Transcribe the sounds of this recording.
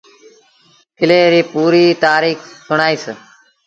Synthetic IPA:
pʰɪleːɾiːpuːɾiːt̪aːɾiːksʊɳaːiːs

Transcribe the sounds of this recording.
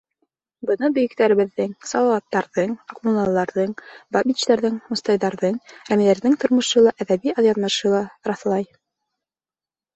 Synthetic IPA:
bɤ̆nɤbɵ̆jɘ̆k̚t̪æɾɘ̆βɘ̆ðːɘŋsɑlˠɑwɑt̪ːɑɾðɤɴɑqmunɑlˠːɑɾðɤɴbɑbʲit͡ɕt̪æɾðɘŋmŏst̪ɑjðɑɾðɤɴɾæmilæɾðɘŋt̪ŏɾmŏʃɤlˠɑʔæðæβiɑðjɑðmɤʃɤlˠɑɾɑθlˠɑj

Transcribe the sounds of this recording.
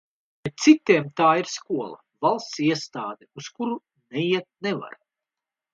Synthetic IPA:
bɛt̪̚t̪sit̪ʲiɛmt̪aːiɾskuɔlˠɐ̰ | valˠst̪siɛst̪aːd̪ɛuskuɾu | nɛjiɛt̪̚nɛva̰ɾ

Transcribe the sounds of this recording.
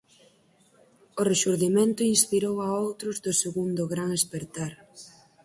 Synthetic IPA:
ʊreʃuɾðimẽnt̪ʊinspiɾowaowt̪ɾʊzðʊseɣund̪ʊɣɾaŋespeɾt̪aɾ

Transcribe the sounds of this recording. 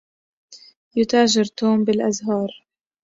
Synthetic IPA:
jʊt̪aːʒɪɾt̪oːmbɪlʔazɦɑːɾˤ

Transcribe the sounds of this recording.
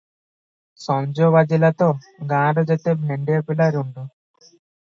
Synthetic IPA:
sɔɲd͡ʒoʋɐd͡ʒilɐt̪oː | ɡaːɖɐd͡ʒet̪ːebneɳɖijɐpilaɾuɳɖu

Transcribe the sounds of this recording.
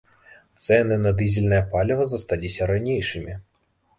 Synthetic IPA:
t̪sɛnɨnɐd̪ɨzʲilʲnɐjɐpalʲɪvɐzɐst̪alʲisʲɐɾɐnʲejʂɨmʲi

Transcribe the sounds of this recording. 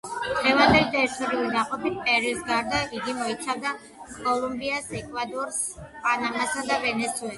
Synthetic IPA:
d̪̥ʁɛvand̪ɛlit̪ʼɛiɾit̪ʰɔɾiulid̪aqʼɔpʰit̪̚pʼɛɾisɡaɾd̪aiɡimɔit̪sʰavd̪a | kʼɔlumbiasɛkʼvad̪ɔɾs | pʼanamasad̪avɛnɛt̪sʰuɛl

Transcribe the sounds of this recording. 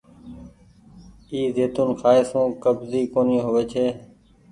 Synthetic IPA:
iːzeːt̪unxʰaːɪsũːkəbziːkoːnĩːɦoːʋeːt͡ʃʰeː

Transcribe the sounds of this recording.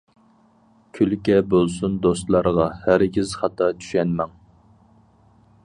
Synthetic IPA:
kʲʰylkʲɛbolˠsund̪ost̪lˠɑɾʁɑhæɾɡʲɪzχɑt̪ʰːɑt͡ʃʰy̥ʃɛnmɛŋ

